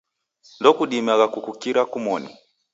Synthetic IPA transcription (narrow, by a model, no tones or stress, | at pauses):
ndɔkuɗimaɣakukukiɾakumɔni